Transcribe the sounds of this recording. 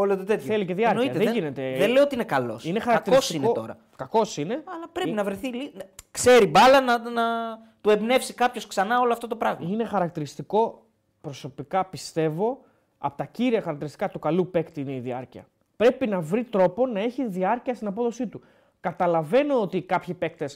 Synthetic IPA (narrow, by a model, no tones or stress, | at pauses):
olot̪ot̪et̪θθelice̞ðiɐɾknoiɐeðeʝine̞t̪eðeleoot̪iinekɐlo̰sinexɐɾɐɐkt̪iɾiosinot̪o̰ɾɐ̰ | kɐko̞sine̞ɐlɐpɾeinɐvɾeθilikse̞ɾibɐlɐnɐnɐ | t̪ue̞bne̞fsikɐpço̞sksɐnɐo̞loɐft̪ot̪o̞pɾɐɣmɐine̞xɐɾɐk̚t̪iɾist̪iko̞ | pɾo̞so̞pikɐpist̪e̞vo̞ | ɐ̰pot̪ɐciɾiɐxɐɾɐk̚t̪iɾist̪ikɐt̪ukɐlupe̞kt̪iineiðiɐɾciɐ̰ | pɾe̞pinɐvɾit̪ɾo̞po̞nɐe̞çiðiɐɾciɐst̪inɐp̬o̞ðo̞sit̪u | kɐt̪ɐlɐve̞no̞ot̪ikɐpçipe̞k̚t̪es